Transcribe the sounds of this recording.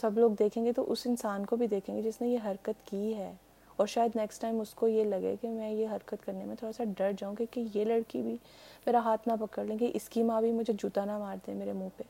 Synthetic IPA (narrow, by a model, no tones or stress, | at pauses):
sɐbloːɡd̪eːkʰẽːŋɡet̪oʔʊsɪnsaːnkobʱid̪eːkʰẽːŋɡed͡ʒɪsnẽjeɦɐɾkət̪kiɦɛː | ɔːɾʃaːjəd̪nɛːksʈaːɪmʊskojelɐɡḛkemɛ̃jeɦɐɾkət̪kɐɾnemẽt̪ʰoːɽasaɖɐɾd͡ʒaːũkĩkejelɐɽkibʱi | meːɾaɦaːt̪ʰnapɐkəɾlẽːɡeʔɪskimãːbʱimʊd͡ʒʱed͡ʒuːt̪anamaːɾt̪eɛ̃meːɾemũːpe